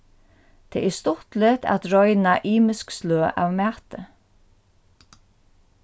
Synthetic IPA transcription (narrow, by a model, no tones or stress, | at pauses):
t̪ʰɛ̰ːʔɛst̪ʊht̪lɪt̪a̰t̪ɾɔjnaʔiːmɪsksløːʔa̰ʋmæːt̪ə